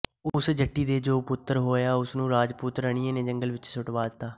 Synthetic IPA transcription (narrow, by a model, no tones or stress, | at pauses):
ʊsd͡ʒəʈːiːd̪eːd͡ʒoːpʊt̪ːəɾɦoːjaːʊsnũːɾaːd͡ʒput̪ɾəɳ̃iːẽːneːd͡ʒəŋɡəlʋɪt͡ʃsʊʈʋaːd̪ɪt̪ːaː